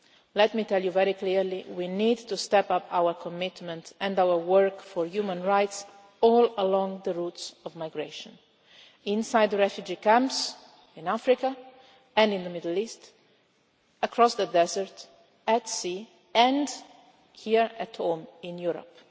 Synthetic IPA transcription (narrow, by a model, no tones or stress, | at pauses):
lɛt̪mit̪ɛljuvɛɾikliɹliwinid̪t̪ust̪ɛpapʰawəɾkʰɔmɪt̪mɛ̃nt̪ɛ̃ndawəɹwəɹkfɔɹjumə̃nɹajt̪s | ɔləlɔ̃ŋd̪əɹut̪sɔvmajɡɹeʃɔ̃n | ĩnsajd̪ɹɛfjud͡ʒikãmps | ĩnafɾika | ɛ̃ndĩnd̪əmɪdəlist̪ | əkʰɾɔsd̪əd̪ɛzəɹt̪ | ɛtsi | ɛ̃nd | hiɹæt̪hõmĩnjuɾɔ̰p